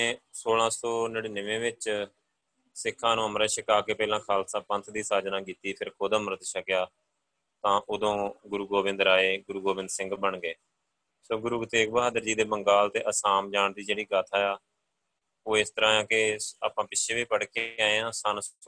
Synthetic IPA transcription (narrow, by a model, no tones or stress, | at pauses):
esoːlãːsoːnəɽiːnəʋẽːʋɪt͡ʃ | sɪkʰːãːnũːəmɾeːʃəkaːkeːpɛːlãːkʰaːlsãːpə̃nt̪ʰd̪iːsaːd͡ʒnãːkiːt̪iːpʰɪɾkoːd̪əmɾət̪ʃəkɪjaː | t̪ãːʔʊd̪õːɡʊɾuːɡoːʋɪ̃nd̪ɾaːeːɡʊɾuːɡoːbɪ̃nd̪sɪ̃ŋɡbəɳɡeː | soːɡʊɾuːɡət̪eːk̚baːd̪əɾd͡ʒiːd̪eːbəŋɡaːlt̪eːʔəsaːmd͡ʒaːɳd̪iːd͡ʒeːɽiːɡaːt̪ʰaːjaː | oːɪst̪əɾãːjãːkɪa̰ːpãːpɪt͡ʃːʃʰeːʋiːpəɽkeaːeãːsaːns